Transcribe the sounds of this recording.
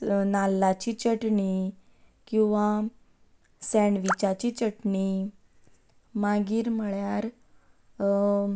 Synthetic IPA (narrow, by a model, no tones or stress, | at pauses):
nalːat͡ɕit͡ɕəʈɳi | kĩw̃ʋa | sɛɳʋit͡ɕat͡ɕiːt͡ɕəʈɳi | maɡiːɾməɭjaɾ